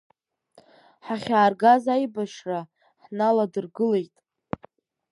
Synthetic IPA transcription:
ħaχʲaːrɡazajbaʂra | ħnaladɨrɡɨle̞jtʼ

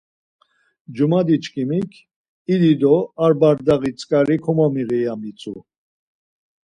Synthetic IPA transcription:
d͡ʒumad̪it͡ʃkʰʼimikʰ | id̪id̪ɔaɾbaɾd̪aɣit͡sʰʼkʼaɾikʰɔmɔmiʁɛjamit͡sʰʼṵ

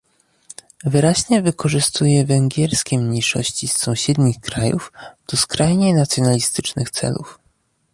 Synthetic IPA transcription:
vɘɾaʑɲɛvɘkɔʐɘst̪ujɛvɛŋɡʲɛɾskʲɛmɲejʂɔ̰ɕt͡ɕisːɔ̃w̃ɕɛd̪ɲixkɾajṵfd̪̥ɔskɾajɲejnat̪sʲjɔnalʲist̪ɘt͡ʂnɘxt̪sɛ̰lṵf

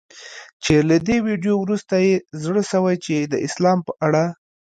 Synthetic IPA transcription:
t͡ʃelad̪ewiɖjowɾust̪ajezɽəʃəwajt͡ʃed̪əʔɪslɑmpəʔaɽa

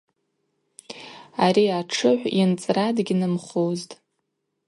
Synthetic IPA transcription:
aɾiaʈ͡ʂʰɨħʷint͡sʼradɡʲinɨmχoztʼ

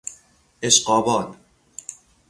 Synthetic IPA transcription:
eʃqɒːbɒːn

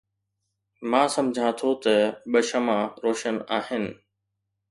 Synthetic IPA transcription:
mãːsɐ̃md͡ʑʱãt̪ʰot̪ɐɓɐʃəmãɾoːʃənaːɦɪnɪ̆

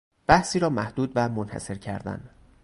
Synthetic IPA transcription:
b̥æhsiːɾɒːmæhd̪uːd̪væmonhæ̰se̞ɾcʰæɾd̪æ̰n

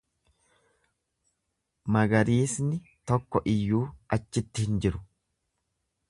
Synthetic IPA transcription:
mɐɡɐɾiːsnɪ | t̪ɔkːɔʔɪjːuːʔɐt͡ʃːɪt̪ːɪhɪnd͡ʒɪɾʊ̥

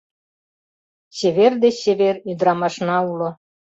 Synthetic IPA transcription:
seβerd̪eseβeɾyd̪ɾɑmɑʃnɑulŏ

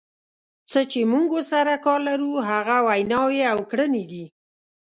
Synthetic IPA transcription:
t͡sət͡ʃemuŋɡosaɾakɑɾlaɾuɦaɣawajnɑwjeawkɽəned̪i

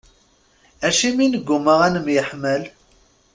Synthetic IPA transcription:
æʃiminəɡʷːʊməʁænəmjəħməl

